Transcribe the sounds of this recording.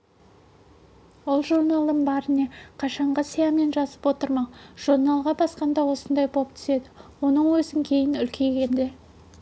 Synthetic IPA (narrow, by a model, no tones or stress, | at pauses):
ʊlˠʒuɾnɑlˠd̪əmbɑɾɪne̞qʰɑʃɑɴʁɑsijɑme̞nʒɑzəpwo̞t̪əɾmɑʒ̥uɾnɑlˠʁɑbɑsqɑnd̪ɑwo̞sənd̪ɑjbʰop̚t̪ʰʏ̥se̞d̪ɪwo̞nəɴwɵzɪŋkʲʰe̞jɪnʏlkʲʰe̞ɡʲe̞nd̪e̞